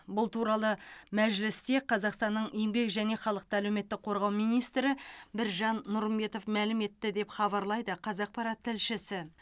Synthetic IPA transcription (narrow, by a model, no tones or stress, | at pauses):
bʊlˠt̪uɾɑlˠəmæʒlɪst̪e̞qʰɑzɑqst̪ɑnːəɴʔejmbe̞kʒæne̞χɑlˠəq̚t̪əælewme̞t̪ːɪk̚qʰo̞ɾʁɑwmijnijst̪ɾɪbɪɾʒɑnːʊɾmbe̞t̪o̞fmælɪme̞t̪ːɪd̪e̞pχɑβɑɾlˠɑjd̪əqʰɑzɑq̚pɑɾɑt̪ʰːɪlʃɪsɪ